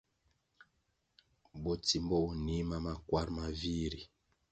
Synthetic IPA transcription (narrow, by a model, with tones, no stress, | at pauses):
bɔ˨ti˨mbɔ˦u˨ni˦ma˨ma˨kwa˦ɾma˨vi˦ɾi˨